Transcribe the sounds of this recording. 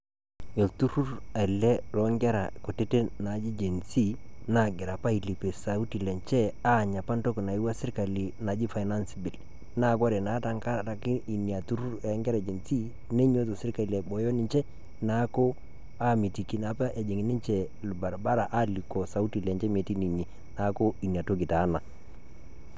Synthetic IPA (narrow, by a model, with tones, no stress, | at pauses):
e˨ltu˦ɾu˦ɾa˨i˨lɛ˦lɔ˨˦ŋɡɛ˦ɾa˨ko˨te˦te˦na˨d͡ʒi˦d͡ʒe˨nsi˦na˦˨ɡɪ˨ɾa˨pa˦i˨li˨pe˨sa˨u˦ti˨lɛ˨ɲt͡ʃɛ˦a˦˨ɲa˨pa˦nto˦kna˨i˦wa˦sɪ˦ɾka˨li˨na˨d͡ʒi˦fa˨jna˦nsi˦bi˨l | na˦˨ɡɔ˦ɾɛ˨na˨˦ta˨˦ŋka˦˨a˨ki˦i˨ni˨a˨tu˦ɾu˦ɾɛ˨˦ŋɡɛ˦ɾa˨d͡ʒe˨nsi˦ | ne˦ɲo˦to˨sɪ˦ɾka˨i˨lɛ˨bɔ˨jɔ˦nɪ˨ɲt͡ʃɛ˦ | na˨˦ko˦ | a˦mi˨ti˨ki˨na˨pa˦ʔɛ˨d͡ʒi˨ŋi˨˦ni˦nt͡ʃɛ˨ | lba˨ɾba˦ɾa˨ʔa˦li˨kɔ˨sa˨u˦ti˨lɛ˨ɲt͡ʃɛ˦me˨ti˦ni˨ɲi˨ | na˨˦ko˦i˨nja˨to˦ɡi˨ta˨˦na˨